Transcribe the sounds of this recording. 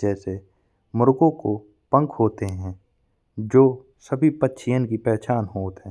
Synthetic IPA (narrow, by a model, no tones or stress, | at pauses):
d͡ʒɛːse | mʊɾɡõko | pə̃ŋkhoːt̪eɦɛ̃ː | d͡ʒoː | səbʱipətːʃʰɪjə̃nkipɛːt͡ʃaːnɦoːt̪ɦɛ̃ː